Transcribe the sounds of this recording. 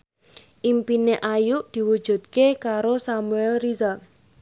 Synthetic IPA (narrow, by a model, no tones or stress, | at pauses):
ʔimpineʔajuʔd̪̥i̤wud̥ʒ̥ṳt̪̚kekaɾosamuɛlrizar